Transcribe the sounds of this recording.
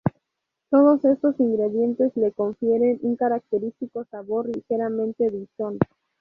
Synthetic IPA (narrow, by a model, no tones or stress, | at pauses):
t̪o̞ð̞o̞se̞st̪o̞siŋɡɾe̞ðje̞nt̪e̞zle̞ko̞ɱfje̞ɾe̞nuŋkaɾak̚t̪e̞ɾist̪iko̞saβo̞ɾlixe̞ɾamẽ̞nt̪e̞ðison